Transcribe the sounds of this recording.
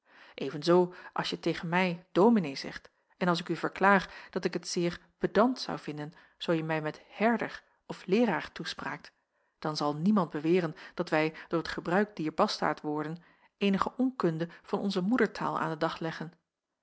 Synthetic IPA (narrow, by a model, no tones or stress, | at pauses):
ʔejvənzowʔɑ̰lˠsjətejχənmɛjd̥owminejzɛ̰χt | ɛnɑlˠs̬ɪkyvəɹklaːχd̥ɑtɪkɦətsɪːɹb̥ədɑntsɑ̰wv̥ɪndən | z̥owjəmɛjmɛthɛɹdər | ɔflɪːraːɹtuspra̰ːk̚t | d̥ɑnzɑlˠnimɑnd̚bəʋɪːrənd̥ɑtʋɛjd̥ʊːɹətχəbrœɥk̚d̥iːɹbɑsta̰ːɹtʋɔɹdən | ʔejnəχəʔɔŋkɵndəv̥ɑnɔ̰nzəmudəɹtʰa̰ːlˠa̰ːndədɑχlɛχən